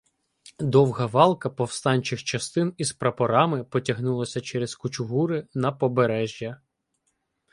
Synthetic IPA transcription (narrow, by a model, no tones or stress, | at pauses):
d̪ɔwɦɐʋɑlˠkɐpɔwst̪ɑnʲt͡ʃɪxt͡ʃɐst̪ɪnizpɾɐpɔɾɑmɪpɔtʲɐɦnulˠɐsʲɐt͡ʃɛɾɛzkʊt͡ʃʊɦuɾɪnɐpɔbeɾɛʒʲjɐ